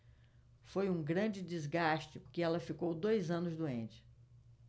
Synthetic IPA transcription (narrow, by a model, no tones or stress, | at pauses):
fojũɡɾɐ̃d͡ʒɪd͡ʒɪzɡaʃt͡ʃɪpʊɾkɪɛlɐfikowd̪ojzɐ̃nʊzd̪uẽnt͡ʃɪ̥